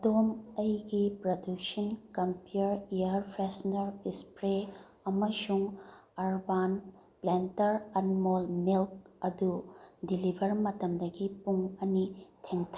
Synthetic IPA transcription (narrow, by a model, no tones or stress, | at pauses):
domɐjɡipɾoduksɐnkɐmpuɾijɐɾpʰɾesnɐɾispɾe | ɐmɐsuŋɐɾban | plentɐɾɐnmolmilk̚ɐdudilibʱɐɾmɐtɐmdɐɡipuŋɐnitʰeŋtʰɐ